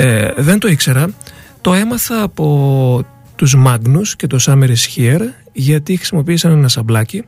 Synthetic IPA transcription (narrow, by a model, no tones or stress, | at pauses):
ðe̞nt̪o̞ikse̞ɾɐt̪o̞e̞mɐθɐːpo̞ | t̪uzmɐɡnusce̞t̪o̞sɐmeɾisçieɾ | ʝɐt̪ixɾi̥simo̞piːsɐnenɐsɐblɐci